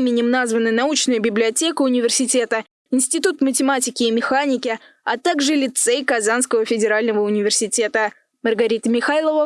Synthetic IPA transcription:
mʲɪnʲɪmnazvənɨnɐut͡ɕnɨjʊbʲɪblʲɪɐtʲe̞kəʊnʲɪvʲɪrsʲɪtʲe̞t̪ə | ɪnsʲtʲɪt̪ut̪mətʲɪmatʲɪkʲɪːmʲɪxanʲɪkʲɪat̪aɡʐɨlʲɪt̪sɛjkɐzanskəvəfʲɪdʲɪɾalʲnəvəʊnʲɪvʲɪrsʲɪtʲe̞t̪ə | mərɡɐɾʲit̪əmʲɪxajlˠəvə

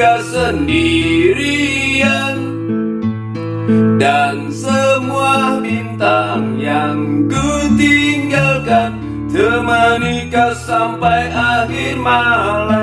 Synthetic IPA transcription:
asəndiɾian | dansəmuahbint̪aŋjaŋkut̪iŋɡalkan | t̪əmanikasampajʔaɦirmala

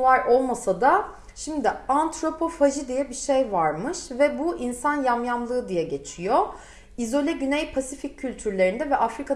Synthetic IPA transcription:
vaɾʔo̞lˠmasad̪a | ʃimd̪ɪant̪ɾo̞pʰo̞faʒid̪ijɛbiʃejvaɾmɯʃvɛbuʔinsanjamjamlˠɯːd̪ijɛɟe̞t͡ʃʰijo | izo̞lʲɛɟynejpʰasificʰcʰːylʲt̪ʰyɾlʲe̞ɾind̪ɛvɛʔafɾikʰa

